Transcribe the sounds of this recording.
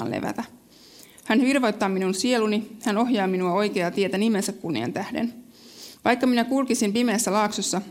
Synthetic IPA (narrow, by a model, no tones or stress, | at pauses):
nlḛʋæ̰t̪æ | hænʋirʋo̞jt̪ːɑːminunsie̞lunihæno̞ɦjɑːminuɑo̞jke̞ɑt̪ie̞t̪ænime̞nsækkunːḭɑ̰nt̪æhdḛn | ʋɑjkːɑminækulkisimpime̞ːsːælɑːksosːɑ